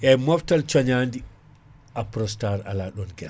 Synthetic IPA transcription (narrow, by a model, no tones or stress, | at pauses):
ʔɛmɔftalt͡ʃɔɲandi | apɾɔstaɾa̰laɗɔnɡɛ